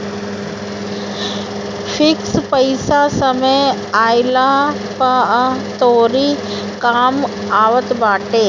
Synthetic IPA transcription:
fʰɪkspəɪsasəməj | aːɪla | pat̪oːɾi | kaːm | aːʋət̪baːʈeː

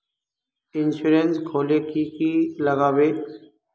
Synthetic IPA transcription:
ɪnsuːɾeːnsɡʱoːleːkiːkiːləɣaːʋeː

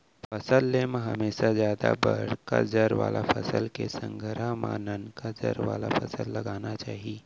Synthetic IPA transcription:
fəsəlːeməɦəmesazjad̪abəɽ̤kad͡zəɾʋa̰lʔafəsəlkesəŋɡʱəɾamanənkad͡zə̰ɾʋa̰lafəsəlːəɡanat͡ʃaːɦi

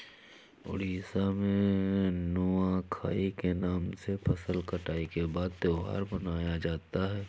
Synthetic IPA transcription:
ʊ̰ɽiːsamẽnʊakʰaːikenaːmsepʰɐsəlkɐʈaːikebaːd̪̚t̪eʊɦa̰ːɾbɐnaːjad͡ʒaːt̪aɦɛː

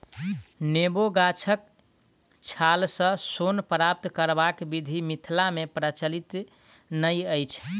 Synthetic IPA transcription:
neboɡat͡ʃʰək̚ | t͡ʃʰalsə̃sonpɾap̚t̪kəɾbakbid̪ʱimit̪ʰlamepɾət͡ʃəlit̪ | nəjəjt͡ʃʰ

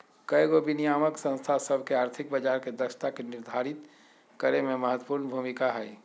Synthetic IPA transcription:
kəjɡobinijaːməksə̃nst̪ʰasəbʱkeaːɾt̪ʰɪk̚bəd͡ʒaːɾked̪əʃt̪akenɪɾd̪ʱaːɾɪt̪ | kəɾemẽməɦət̪wəpuːɾnbʱumɪkaɦɛ

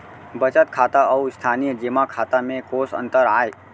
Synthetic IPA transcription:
bət͡ʃət̪kʰat̪aəust̪ʰanijəd͡ʒemakʰat̪amẽkosə̰̃nt̪əɾaːe

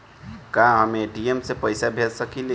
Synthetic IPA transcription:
kãɦəmeɖiemsepəɪjsabʱeɾsəkile

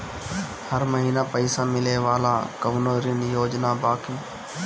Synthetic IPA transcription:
həɾməɦiːnaːpəɪsaːmɪleːʋaːlaːkəʋnoːɾɪnjoːd͡ʒnaːbaːkiː

